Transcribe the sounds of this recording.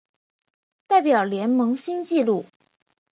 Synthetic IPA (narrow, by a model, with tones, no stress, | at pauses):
t̪a˥˩ɪpjɑ˨˩ʊljɛ˧˥nmɤ˧˥ŋɕi˥nt͡ɕi˥˧lu˥˩